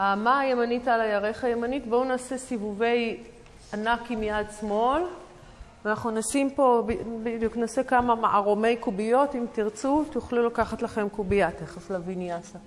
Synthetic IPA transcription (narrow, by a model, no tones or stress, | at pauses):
aːmaaje̞manitalajaʁeχaje̞manitbounaːsesivuve̞j | anakimjadsmo̞l | vanaχnunasimpo̞bibid̪juknaːsekamamaʔaʁome̞jkubijo̞timtiʁt͡sut̪uχlulakaχatlaχe̞mkubijateχaslavinjasa